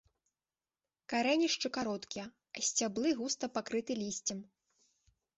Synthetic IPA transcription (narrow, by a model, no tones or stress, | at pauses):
kaɾɛnʲiʂt͡ʂɨkaɾɔt̪kʲijɐ | ɐsʲt͡sʲablˠɨɣust̪ɐpakɾɨt̪ɨlʲisʲt͡sʲɐm